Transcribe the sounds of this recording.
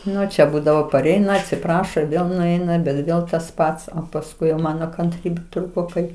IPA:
ˈnʊ t͡ʃʲɛ ˈbuːdɐʋoː pɐˈrʲɛɪnɐ ɐtʲsʲɪˈprɑːʃoː ɪr ˈʋʲeːlˠ nʊˈɛɪnɐ bʲɛt ˈʋʲeːlˠ tɐs ˈpɐts oː pɐsˈkʊɪ jɛʊ ˈmɑːnoː kɐnʲˈtʲrʲiːbʲeː ˈtruːkoː ˈkɐɪ

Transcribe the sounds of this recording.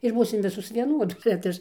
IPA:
ɪr ˈbuːsʲɪm ˈʋʲɪsoːs ʋʲiɛˈnuɔdoːs bʲɛt ˈɐʃ

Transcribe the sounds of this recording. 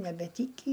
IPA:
nʲɛbʲɛˈtʲiːkʲiː

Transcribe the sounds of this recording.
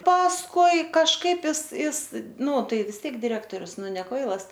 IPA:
pɐsˈkʊɪ kɐʃˈkɐɪp ˈɪs ˈɪs ˈnuː ˈtɐɪ ʋʲɪs ˈtʲiɛk dʲɪˈrʲæːktoːrʲʊs ˈnʊ nʲɛ ˈkʋɐɪlˠɐs

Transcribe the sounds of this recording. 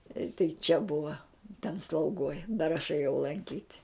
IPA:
ɪ tɐɪ t͡ʃʲɛ ˈbʊʋɐ tʲɛn slˠɐʊˈɡoːj dɐr ɐʃ eːˈjɛʊ lˠɐŋʲˈkʲiːtʲ

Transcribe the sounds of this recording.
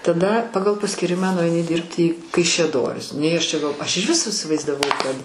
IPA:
tɐˈdɐ ˈpɑːɡɐlˠ pɐsʲkʲiːˈrʲɪmɑː nʊɐɪˈnʲɪ ˈdʲɪrʲpʲtʲɪ iː kɐɪʃʲɛˈdoːrʲɪs nʲɛɪ ˈɐʃ t͡ʃʲɛ ˈɡɐlˠ ˈɐʃ ɪʒʲˈʋʲɪs ɪsʲɪʋɐɪzdɐˈʋɐʊ kɐt

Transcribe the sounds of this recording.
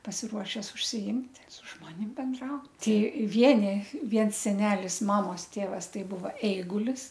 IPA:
pɐsʲɪˈruɔʃʲɛs ʊʃʲsʲɪˈɪmʲtʲ sʊ ˈʒmoːnʲɪm bʲɛnˈdrɐʊt ˈtʲɪ ˈʋʲiɛnʲɪ ˈʋʲiɛns sʲɛˈnʲæːlʲɪs ˈmɑːmoːs ˈtʲeːʋɐs ˈtɐɪ ˈbʊʋɐ ɛɪɡʊlʲɪs

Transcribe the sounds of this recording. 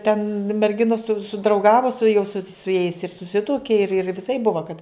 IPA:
tʲɛn mʲɛrʲˈɡʲɪnoːs sʊ sʊdrɐʊˈɡɑːʋoː sʊ jɛʊ sʊ sʊ jɛɪs ɪr sʊˈsʲɪtuɔkʲɪ ɪr ɪr ʋʲɪˈsɐɪp ˈbʊʋɐ kɐt

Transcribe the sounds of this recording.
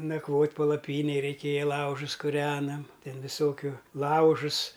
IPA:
nɐkˈʋoːtʲ pɐlˠɐˈpʲiːnʲeːj rʲɛɪˈkʲeːjɛ ˈlˠɐʊʒʊs kʊˈrʲæːnɐm ˈtʲɛn ʋʲɪˈsoːkʲʊ ˈlˠɐʊʒʊs

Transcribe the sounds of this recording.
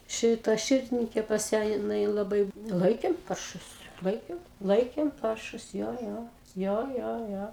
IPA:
ˈʃʲɪtɐ ˈʃʲɪrʲdʲɪnʲɪŋʲkʲeː pɐs ˈjæː jɪˈnɐɪ lˠɐˈbɐɪ ˈlˠɐɪkʲeːm ˈpɐrʃʊs ˈlˠɐɪkʲeːm ˈlˠɐɪkʲeːm ˈpɐrʃʊs ˈjoː ˈjoː ˈjoː ˈjoː ˈjoː

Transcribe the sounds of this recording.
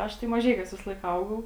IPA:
ˈɐʃ tɐɪ mɐˈʒʲɛɪkʲuɔs ʋʲɪsɐˈlˠɐɪk ˈɐʊɡɐʊ

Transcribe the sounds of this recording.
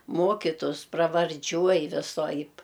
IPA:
ˈmoːkʲɪtʊs prɐʋɐrʲˈd͡ʒʲuɔj ʋʲɪˈsoːɐɪp

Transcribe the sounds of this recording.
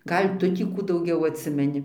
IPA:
ˈɡɐlʲ ˈtʊ tʲiː ˈkuː dɐʊˈɡʲɛʊ ɐtʲˈsʲɪmʲɛnʲɪ

